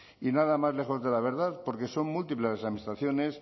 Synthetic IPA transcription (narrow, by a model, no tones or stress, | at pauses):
inaðamazle̞xo̞zðe̞laβ̞e̞ɾðaðpo̞ɾke̞so̞ŋmult̪ipleasamist̪ɾaθjo̞ne̞s